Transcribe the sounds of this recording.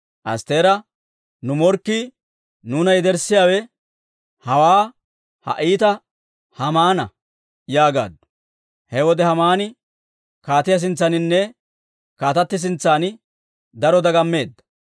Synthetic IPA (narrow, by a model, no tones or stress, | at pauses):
ʔɐ̰st̪e̞ːɾɐ | nʊmɔɾkːi | nuːnɐjd̪ɛɾsɪjaːwɛ | hɐwaː | hɐ̰ʔiːt̪ɐ | hɐmaːnɐ̰ | jaːɡa̰ːd̪ʊ̥ | hɛwɔd̪ɛhɐmaːnɪ | kaːt̪ɪjɐs̬ɪnt͡sːɐnɪnːɛ | kaːt̪ɐt̪ːɪs̬ɪnt͡sːaːn | d̪ɐɾɔd̪ɐɡɐmːe̞ːd̪ːɐ̥